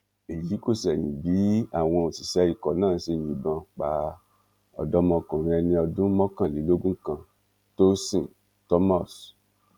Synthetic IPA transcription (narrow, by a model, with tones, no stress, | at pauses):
e˨ji˨˦ko˦˨sɛ˨j̃ĩ˨bi˨˦a̰˦˨w̃ɔ̃˧o˨si˨ʃɛ˨˧˦i˨kɔ˨nãː˦˨˦se˧˨jĩ˨bã˧k͡pa˨˦ | ɔ̰˧˨dɔ˦mɔ̃˧kũ˨ɾ̃ɛ̃˧ɛ˧nĩ˧ɔ˧dũ˦mɔ̃˦kã˦˨li˨˦lo˦ɡũ˦kã˧ | to˦sĩ˦˨ | tɔ˦ma˦˨s